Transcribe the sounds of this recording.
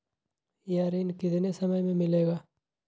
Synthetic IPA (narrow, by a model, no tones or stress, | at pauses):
jaːɾiːnkɪt̪nesɐməjmẽmɪleːɡaː